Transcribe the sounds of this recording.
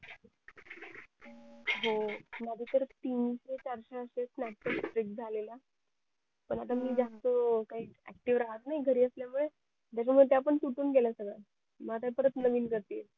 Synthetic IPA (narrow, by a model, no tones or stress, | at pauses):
ɦomad̪ʱiːt̪əɾt̪iːnɕet͡ɕaɾɕeəɕet͡snaʈ̚ʈəksʈɾikd͡zʱalela | pəɳat̪amiːd͡zast̪okaɦiːæ̰k̚ʈiʋɾaɦət̪naɦiɡʱəɾiːəsljamuɭe | d͡ʑ̪aɕ̬amuɭt̪jaːpəɳtuʈuːnɡelasəɡɭa | məlat̪̬ãpəɾət̪nəʋiːnɡəɾt̪il